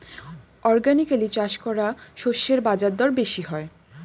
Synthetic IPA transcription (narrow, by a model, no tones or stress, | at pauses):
ɔɾɡanikalit͡ɕaʃkɔɾaʃoʃːeɾbad͡ʑadd̪ɔɾbeʃiɦɔe